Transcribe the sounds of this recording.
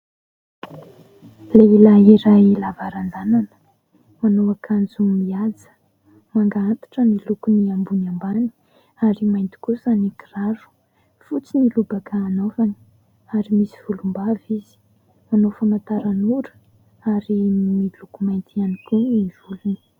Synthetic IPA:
leilaiɾailavaɾand̪ananə̥ | manowakʰand͡zumiad͡zə̥ | maŋɡaant̪ḁʈ͡ʂənilukuniambunambani̥ | aɾimajnt̪i̥kusanikiraɾu̥ | fut͡sinilubakaːnovani̥ | aɾimisiv̥ulumbavizi̥ | manofunat̪aɾanuɾə̥ | aɾinmilukumajnt̪ianikuniv̥uluni̥

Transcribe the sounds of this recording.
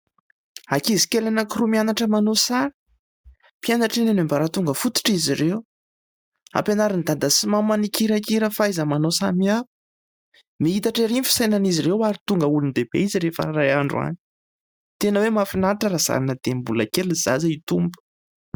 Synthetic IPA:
akizikelanakirumianaʈ͡ʂəmanosaɾə̥ | pianaʈ͡ʂinanambaɾat̪uŋɡəfut̪u̥ʈ͡ʂizirew | a̰penaɾinid̪ad̪əsimamanikiɾakiɾəfaajzəmanosamiḁ | miit̪aʈ͡ʂeɾimfi̥sajnaniziɾewaɾit̪uŋɡəulund̪ebḛiziɾefə̰rajaɳɖ͡ʐua̰ni̥ | t̪enəwemafinaɾʈ͡ʂəɾaz̥a̰ɾanəd̪̥embulə̰keliz̥a̰zait̪umbu̥

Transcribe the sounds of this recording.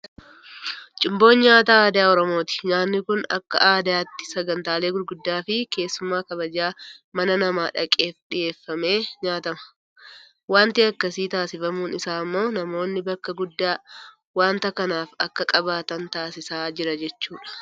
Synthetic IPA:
t͡ʃʼɪmbo̞ːɲɲaːt̪aːaːd̪ɪjaːɔɾɔmo̞ːt̪ɪ̥ɲaːnːɪkʊnɐ̰kːɐ̰ʔaːd̪ɪjaːt̪ːɪ̥sɐɡɐnt̪aːle̞ːɡʊɾɡʊd̪ːaːfɪke̞ːsːʊmaːkɐbɐd͡ʒaːmɐnɐnɐmaːᶑɐkʼe̞ːfᶑɪje̞ːfːɐme̞ːɲaːt̪ɐmɐ̥ | waːnt̪ɪɐkːɐsiːt̪aːsɪfɐmuːnɪsaːmːo̞ːnɐmo̞ːnːɪbɐkːɐɡʊd̪ːaː | waːnt̪ɐkɐnaːfɐkːɐkʼɐbaːt̪ɐnt̪aːsɪsaːd͡ʒɪɾɐd͡ʒɛt͡ʃːuːᶑɐ̥

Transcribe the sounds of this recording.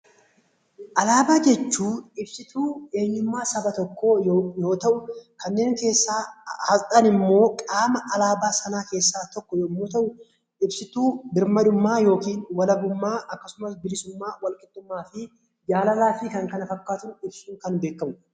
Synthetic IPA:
ʔɐlaːbaːd͡ʒɛt͡ʃːuːɪbsɪt̪uːe̞ːɲːʊmːaːsɐbɐt̪ɔkːo̞ːjjo̞ːt̪ɐʔʊkɐnːe̞ːŋke̞ːsːaːhɐlt̪ʼɐnɪmːo̞ːkʼaːmɐʔɐlaːbaːsɐnaːke̞ːsːaːt̪ɔkːɔjoːmːoːt̪ɐʔʊ | ʔɪbsɪt̪uːbɪɾmɐd̪ʊmːaːjo̞ːkiːnwɐlɐɡʊmːaːʔɐkːɐsʊmɐsbɪlɪsʊmːaːwɐlkʼɪt̪ʼːʊmːaːfɪ | d͡ʒaːlɐlaːfɪkɐŋkɐnɐfɐkːaːt̪ʊnɪbsuːŋkɐnbe̞ːkːɐmʊ

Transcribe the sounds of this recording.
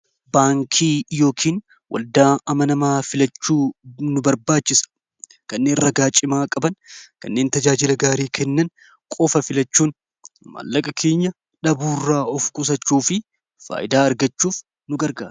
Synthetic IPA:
baːŋkʰiːjo̞ːkʰiːn | wʔɐ̰ld̪aːɐmɐnɐmaːfɪlɐt͡ʃːuːnʊbɐɾbaːt͡ʃːɪsɐ̥ | kɐnːeːnrɐɡaːt͡ʃʼɪmaːkʼɐbɐnkɐ̰nːe̞ːnt̪ɐd͡ʒaːd͡ʒɪlɐɡaːɾiːkʰɛnːɐn | kʼɔfɐfɪlɐt͡ʃːuːn | ma̰ːlːɐkʼɐkʰe̞ːɲːɐ | ᶑɐbuːrːaːɔfkʼʊs̬ɐt͡ʃːuːfɪ | fa̰ːʔɪd̪aːɐɾɡɐt͡ʃːuːf | nʊɡɐɾɡa̰ːɾ

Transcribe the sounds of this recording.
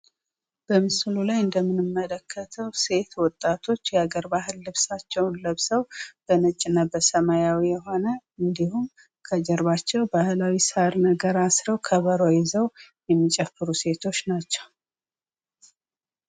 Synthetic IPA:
b̥əmɨslulajɨnd̪əmːɨnɨmːələkʰːət̪ʰəwse̞t̪wɔt̪ʼːat̪ʰo̞t͡ʃːjɛaɡəɾbaɦɨlːɨβsat͡ʃːɛwnləβsəwb̥ənɨt͡ʃʼːɪnːabəsəmajawijɛɦo̞nəɨnd̪ihum | kʰəd͡ʒɛɾβat͡ʃːɛwbahɨlawisaɾnəɡəɾasɾəwkʰəβəɾojɛzəwjɛmːit͡ʃʼɛfɨɾuse̞t̪ʰo̞t͡ʃːnat͡ʃːɛw

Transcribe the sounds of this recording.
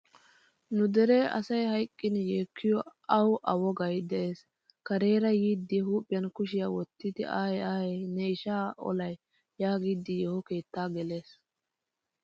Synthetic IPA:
nʊd̪ɛɾeʔɐ̰sɐjhɐjkʼːɪnjeːkʰːɪjɔɐwʔɐwɔɡɐjd̪ɛʔeːs | kɐɾeːɾɐjiːd̪ːɪɦuːpʼːɪjɐnkʊʃɪjawɔt̪ːɪd̪ɪʔaːjaːjnɛɪʃaːɔ̰lɐj | jaːɡid̪ːɪjɛhɔke̞ːt̪ːaːɡɛle̞ːs

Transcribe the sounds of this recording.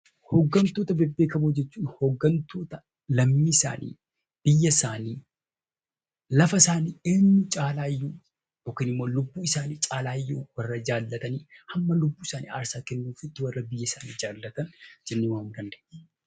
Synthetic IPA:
hɔɡːɐnt̪o̞ːt̪ɐbɛbːeːkɐbod͡ʒɛt͡ʃːuːnhɔɡːɐnt̪ʰo̞ːt̪ɐ | lɐmmːiːɪsa̰ːnḭː | b̥ɪjːɐsaːniː | lɐfɐsaːniːeːnːʊt͡ʃʼaːlaːjːuː | joːkiːnɪmːo̞ːlʊbːuːɪsaːniːt͡ʃʼaːlaːjːuːwɐrːɐd͡ʒaːlːɐt̪ɐniːhɐmːɐlʊbːuːɪsaːnḭːa̰ːɾsaːkɛnːuːfɪt̪ːɪwɐrːɐbɪjːɐɪsaːniːd͡ʒaːlːɐt̪ɐnd͡ʒɛnːɪwaːmd̪ɐnd̪ɛ̥ʔ

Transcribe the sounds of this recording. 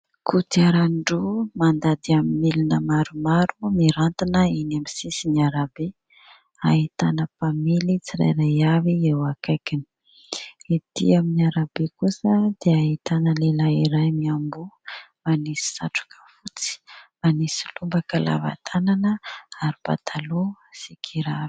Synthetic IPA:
kʰut̪iaɾaɳɖ͡ʐumand̪ad̪iamimilinəmaɾumaɾumiɾant̪inəinamisisiniaɾabe | aɦit̪anəpamilit͡siɾa̰jɾajaviewakajkini̥ | it̪ḭaminiaɾabekusəd̪̥eaɦit̪anəlelaiɾajmiambumanisi̥saʈ͡ʂu̥kʰə̥fut͡si̥manisi̥lumbakəla̰va̰t̪ʰananəaɾipa̰t̪ʰalosikʰiɾavi̥

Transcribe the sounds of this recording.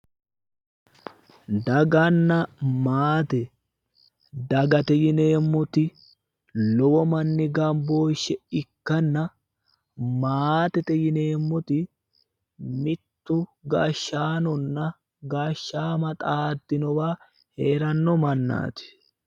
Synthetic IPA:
d̪ɐɡɐnːɐmaːt̪ɛ | d̪ɐɡɐt̪ɛjɪne̞ːmːɔt̪ɪ | lɔwɔmɐnːɪɡɐmbo̞ːʃːɛɪkːɐnːɐ | maːt̪ɛt̪ɛjɪne̞ːmːɔt̪ɪ | mɪt̪ːʊɡaːʃːaːnɔnːɐ | ɡaːʃːaːmɐt̪ʼaːd̪ːɪnɔwaː | heːɾɐnːɔmɐnːa̰ːt̪ɪ̥

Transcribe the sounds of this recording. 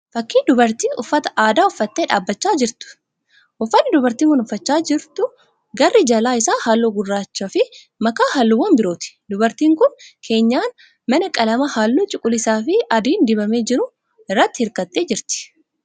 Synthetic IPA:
fɐkːiːnd̪ʊbɐɾt̪iːʔʊfːɐt̪ɐ̥ʔaːd̪aːʊfːɐt̪ːeːᶑaːbːɐt͡ʃːaːd͡ʒɪɾt̪ʊ̥ | ʔʊfːɐnːɪd̪ʊbɐɾt̪iːŋkʊnʊfːɐt͡ʃːaːd͡ʒɪɾt̪ʊ | ɡɐrːɪd͡ʒɐlaːɪsaːhaːlːoːɡʊrːaːt͡ʃːɐfɪ | mɐkaːhalːuːwːɐnbɪɾo̞ːt̪ɪ̥d̪ʊbɐɾt̪iːŋkʊnkʰe̞ːɲːaːn | mɐnɐkʼɐlɐmɐhaːlːuːt͡ʃʼɪkʼʊlɪsaːfɪɐd̪iːnd̪ɪbɐme̞ːd͡ʒɪɾʊ | ɪrːɐt̪ːɪhɪɾkɐt̪ʼːe̞ːd͡ʒɪɾt̪ɪ̥

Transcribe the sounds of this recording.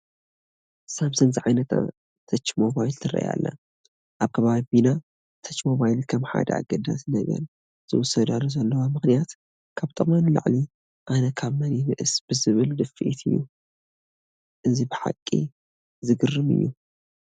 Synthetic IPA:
samsɐnziʕajnɐt̪a̰ | t̪ʰɐt͡ʃːmo̞βajlt̪ʰɨɾɐ̰ja̰lːa̰ | ʔaβkʰɐβaβina | t̪ʰɐt͡ʃːmo̞βajlkʰɐmħa̰d̪ɐ̰a̰ɡɐd̪a̰snɐɡɐ̰ɾ | z̥ɨwɔsɐd̪aluzɐlːɐwamɨxnijat̪ | kʰaβt̪ʼɨχʼmanɨla̰ʕli | ʔanɐkʰaβmɐninɨʔɨsb̥ɨzɨβɨld̪ɨfːiʔit̪ʰɨjːṵ | ʔɨzibɨħa̰kʼːḭ | zɨɡɨrːɨmɨ̰jːu

